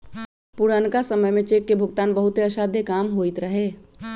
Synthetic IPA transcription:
puɽənkasəməjmẽt͡ʃekːebʱʊɡt̪aːnbəɦʊt̪eəʃaːd̪ʱjekaːmɦoit̪ɾəɦe

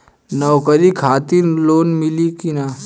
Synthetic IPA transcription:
nɐwkəɾikʰaːt̪iɾloːnmilikina

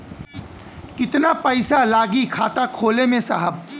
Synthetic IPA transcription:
kɪt̪napəɪsalaːɡikʰaːt̪akʰoːlemẽsaɦəb

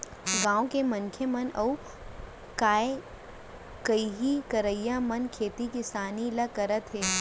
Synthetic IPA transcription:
ɡãːõkemɐnkʰjəmɐnɐu | kaːe | kɐiɦikɐɾəjamɐnkʰeːt̪ikɪsaːnilakɐɾət̪ɦeː

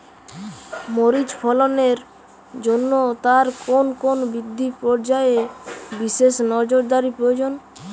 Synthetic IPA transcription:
moɾid͡ʑpʰɔloneɾ | d͡ʑonːot̪aɾkonkonbid̪ʱːipɔɾd͡ʑaebiʃeʃnɔd͡ʑoɾd̪aɾipɾojod͡ʑon

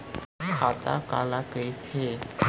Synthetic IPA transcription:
kʰat̪a̰kalakəjt͡sʰe

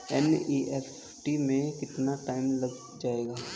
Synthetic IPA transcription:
ɛniːʔes | ʈimẽkɪt̪naʈaːɪmlɐɡ | d͡ʒaːeːɡaː

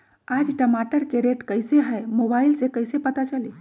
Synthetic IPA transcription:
aːd͡ʒʈəmaːʈəɾkeɾeːʈkəɪseɦɛmobaːɪlsekɐɪsepɐt̪at͡ʃɐliː

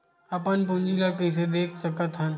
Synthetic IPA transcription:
apənpũnd͡ʒilakəs̬ed̪eːkʰsəkət̪ɦən

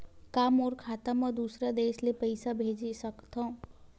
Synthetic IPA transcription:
kaːmɔːɾkʰaːt̪amãd̪uːsɾad̪eːʃlepəɪsabʱeːd͡ʒisəkt̪ã

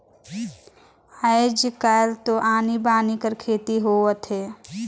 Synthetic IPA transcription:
aed͡ʒkalt̪oʔaːnibaːnikəɾkʰeːt̪iɦoːʋət̪ɦeː

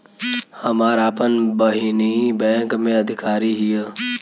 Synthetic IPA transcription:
hɐmaːɾaːpənbəɦinibɛ̃ːŋkmẽɐd̪ʱɪkaːɾiɦije

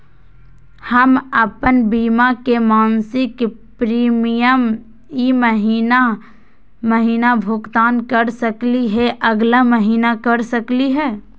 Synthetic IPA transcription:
həməpənbiːmakemaːnsɪk | pɾiːmijəm | iməɦiːna | məɦiːnabʱʊɡt̪aːnkəɾsəkliɦɛʔɐɡlaməɦiːnakəɾsəkliɦɛː

